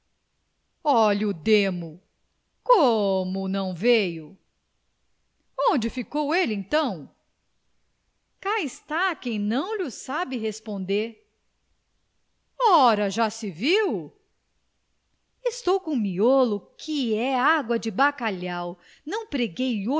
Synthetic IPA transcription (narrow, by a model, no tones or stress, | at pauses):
ɔʎʊd̪ẽmʊ | komʊnɐ̃w̃vejʊ | õd͡ʒɪfikowelẽt̪ɐ̃w̃ | kaɪst̪akẽj̃nɐ̃w̃ʎʊsabɪɦespõnd̪eɾ | ɔɾɐʒasɪviw | ɪst̪owkõmiolʊkʰɪɛaɡwɐd͡ʒɪbakaʎaw | nɐ̃w̃pɾeɡejo